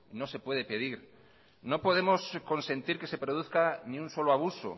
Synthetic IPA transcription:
no̞se̞pwe̞ðe̞pe̞ðiɾ | no̞po̞ð̞emosko̞nsẽ̞nt̪iɾke̞se̞pɾoð̞uθkanĩunso̞loaβ̞uso̰

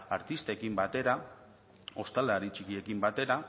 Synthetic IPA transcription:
aɾt̪ist̪ekimbat̪e̞ɾa | o̞st̪alaɾit͡ʃikie̞kimbat̪e̞ɾa

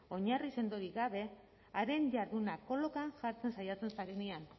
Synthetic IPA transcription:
o̞ɲarise̞nd̪oɾiɣaβ̞e̞ | aɾe̞ɲʝaɾðunako̞lo̞kaŋʝaɾt͡se̞nsajat͡se̞nsaɾe̞nian

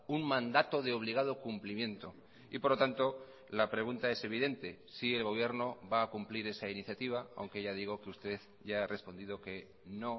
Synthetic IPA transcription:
uŋmãnd̪at̪o̞ðe̞o̞β̞liɣað̞o̞kumplimjẽ̞nt̪o̞ | ipoɾlo̞t̪ant̪o̞ | lapɾe̞ɣunt̪ae̞se̞β̞iðe̞nt̪e̞sie̞lɣo̞β̞je̞ɾno̞βaːkumpliɾe̞sainiθjat̪iβ̞aa̰wŋke̞ʝað̞iɣ̞o̞keust̪e̞ð | ʝaare̞spo̞nd̪ið̞oke̞ | no̞

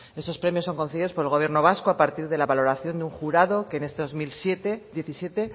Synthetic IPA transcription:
e̞st̪o̞spɾe̞mjosːo̞ŋko̞nθeβiðo̞spoelɣ̞o̞βje̞rno̞β̞askoapaɾt̪iɾðe̞laβalo̞ɾaθjo̞nd̪euŋxuɾaðo̞ke̞ne̞st̪eozmilset̪ed̪je̞θisje̞t̪e̞

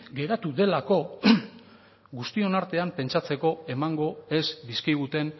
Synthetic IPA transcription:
ɡe̞ɾat̪uðe̞lako̞ | ɡust̪io̞naɾt̪e̞ampe̞nt͡ʃat͡se̞ko̞e̞maŋɡo̞e̞sbiskiɣ̞ut̪e̞n

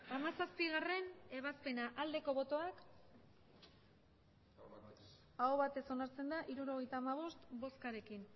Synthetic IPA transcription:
amasaspiɣ̞are̞ne̞β̞aspe̞naʔald̪e̞ko̞βo̞t̪o̞ak | aoβat̪e̞so̞naɾt͡se̞nd̪aʔiɾuɾo̞ɣ̞e̞jt̪aːmaβ̞o̞st̪bo̞skaɾe̞kin

